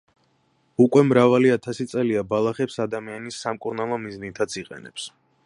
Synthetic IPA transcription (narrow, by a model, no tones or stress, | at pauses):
ukʼwɛmɾavaliat̪ʰasit̪sʼɛliabalˠaχɛpsad̪amianisːamkʼuɾnalˠɔmiznit̪ʰat̪sʰiqʼɛ̰nɛ̰ps